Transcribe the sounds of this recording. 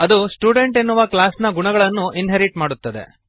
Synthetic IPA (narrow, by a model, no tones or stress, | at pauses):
ɐd̪usʈjuːɖeɳʈenːuʋɐklaːsnɐɡuɳɐɡɐɭɐnːuʔinɦeɾiʈmaːɽut̪ːɐd̪e̞̰